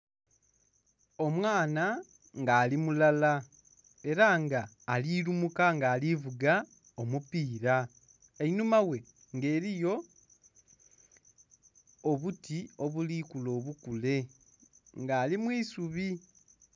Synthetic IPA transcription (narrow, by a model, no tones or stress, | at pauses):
o̞mwaːna | ŋɡaːlimulala | e̞ɾaŋɡaː | liɾumukaŋɡaːlivuɡa | omupiːɾa | einumawe̞ | ŋɡe̞ːɾijo̞ | βutio̞βulikulo̞ːβukule̞ | ŋɡaːlimwiːsuβi